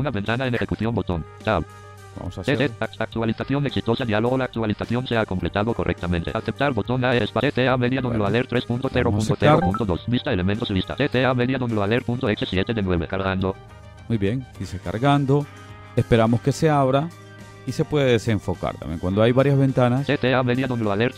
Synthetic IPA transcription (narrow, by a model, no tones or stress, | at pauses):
unaβent̪anaenexekuθjo̞mbot̪o̞nt̪aβ | ba̰mosaeesak̚t̪ualiθaθjo̞ne̞ksit̪o̞sad̪ialoɣolaːk̚t̪ualiθaθjo̞nseakomple̞t̪aðoko̞rʔek̚t̪amẽnt̪ḛʔaθep̚t̪aɾbo̞t̪o̞naespaet̪eame̞ðjaðod̪eloaleɾt̪ɾespũnt̪oθeɾopũntoθeɾopũnt̪oðo̞sbist̪aele̞mẽnt̪osðeist̪a̰t̪et̪eameðjaðond̪eloaleɾpunt̪oeksesje̞t̪eðenwe̞βe̞̰kaɾɣand̪o̞ | mujβjeŋiseka̰ɾɣand̪o | espe̞ɾamoske̞se̞aβɾa | ise̞pweðeðeseɱfoka̰ɾt̪a̰mjeŋkwand̪oajβaɾjazβẽ̞nt̪anasset̪eameðjaðond̪eloaleɾ